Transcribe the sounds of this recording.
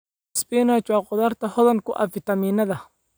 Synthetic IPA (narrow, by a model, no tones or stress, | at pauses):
sbiːnɐt͡ʃaːqʊðɐːrt̪ʰɐhɔðɐŋkʰʊʔɐ̰fɪt̪ɐmiːnɐðɐ